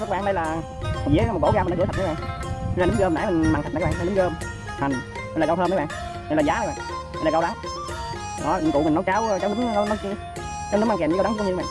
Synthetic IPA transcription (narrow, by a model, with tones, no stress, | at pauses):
ɓaː˧˨nɗə˧jlaː˨˩˨ | vḭ˧˥m̚˨˩ko̰˧˥˦ɣaː˧mː˨˧˨t̚ʰn˨˧˦ɓ̰ːlɨ˨˦ŋ͡mɣəː˧m˨n˨aː˨˦mi˨˩ŋ̟˨m˨t̪̚ʰːɓaː˧˨˧nɨ˨˦ɣəː˧m | ha˨˩ŋ | mi˨˩nlaː˨ɣə˧wt̪ʰəː˧mə˨˦ɓ̰ːŋ | m˨˩˨laː˨˩zaː˨˦˨jɓa̰ː˨ŋ | mi˨˩˨lːa˨˩ɣə˧wɗa˨˦w | ɗɔ˨˦˨i˨˩ŋkṵ˧˨mi˨˩ŋnɔ˨˦jkaː˨˦wt͡ɕɔ˧˦wnɨ˨˦ŋ˦nɔ˨˦ki˧ | t͡ɕaː˨˦wnɨ˨˦˥ŋ͡mma˧˩kɛ˨˩˨ɗ̪ʰa̰ː˨